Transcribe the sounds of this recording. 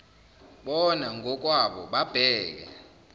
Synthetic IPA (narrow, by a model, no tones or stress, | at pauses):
ɓɔnaŋɡʱɔk̬ʼwaɓɔ̰ɓab̥ʱɛːk̬ɛ̰